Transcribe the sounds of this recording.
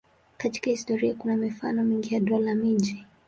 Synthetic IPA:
kati̥kahistɔɾiakunamifanɔmiŋɡijaɗɔlamiʄi

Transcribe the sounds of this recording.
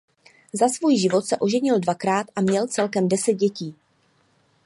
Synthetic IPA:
zasvuːjʒɪvo̞t̪sɛʔo̞ʒɛɲɪldvakɾaːt̪ʔamɲɛlt͡sɛlkɛmdɛsɛd̪̚ɟɛciː

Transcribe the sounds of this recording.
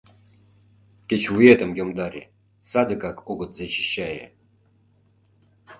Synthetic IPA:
kʲet͡ɕvujet̪ə̆mjomd̪ɑɾʲḛ | sɑd̪ə̆kɑkʰoɣɤ̆t̪zet͡ɕiɕːɑjḛ

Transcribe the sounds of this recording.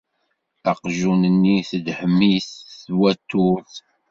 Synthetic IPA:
æqʒunənːiθəd̪ħəmːiθwæt̪ːuθ

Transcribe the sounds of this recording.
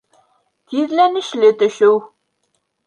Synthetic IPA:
t̪ʰiðlænɘ̆ʃlɘt̪ɵ̆ʃɘw

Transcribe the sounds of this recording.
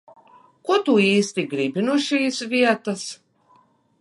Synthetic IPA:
kuɔt̪uiːst̪iɡɾibʲinuɔʃiːsvʲiɛt̪as

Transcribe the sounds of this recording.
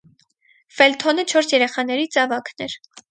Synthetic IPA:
fɛlt̪ʰɔnət͡ʃʰɔɾsjɛɾɛχɑn̪ɛɾit͡sɑvɑkʰnɛɾ

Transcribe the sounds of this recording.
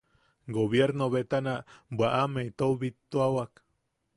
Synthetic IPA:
ɡoβjeɾnoβet̪anabʷaʔamejt̪owβit̪ːuawak

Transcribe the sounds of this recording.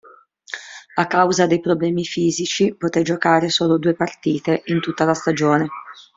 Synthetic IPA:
akːawzad̪ejpɾoblɛːmifiːzit͡ʃipot̪ed͡ʒokaːɾesoːlod̪uːepart̪iːt̪eʔint̪ut̪ːalast̪ad͡ʒoːne

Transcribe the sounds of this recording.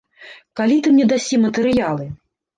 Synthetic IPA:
kalʲit̪ɨmnʲɛd̪asʲimɐt̪ɨɾɨjalˠɨ

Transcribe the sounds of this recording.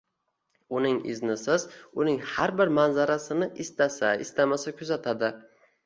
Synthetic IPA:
ʊnɪŋɪ̰znɪsɪzʊnɪŋhaɾbɪɾmanzaɾasɪnɪʔɪst̪asaɪst̪amasakʲʰʊzat̪ʰad̪ɪ

